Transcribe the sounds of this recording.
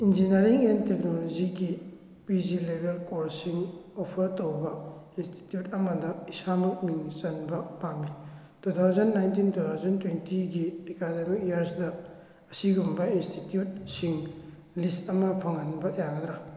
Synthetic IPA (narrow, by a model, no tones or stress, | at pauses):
ind͡ʒinɐɾiŋentek̚nolod͡ʒiɡi | pizilebelkoɾsiŋopʰɐɾtowbɐinsti̥tjutɐmɐdɐisamɐk̚miŋt͡ʃɐnbɐpami | tut̪ʰawzɐnːajntintut̪ʰawzɐntwentiɡidekademikjiɐɾsdɐː | siɡumbɐinstitijut̚siŋ | listɐmɐpʰɐŋɐnbɐjaɡɐd̪ɾa